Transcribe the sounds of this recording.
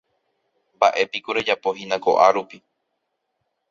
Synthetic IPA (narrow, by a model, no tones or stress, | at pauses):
mbaʔe̞pikuɾed͡ʒapoɦinãko̞̰ʔaɾupi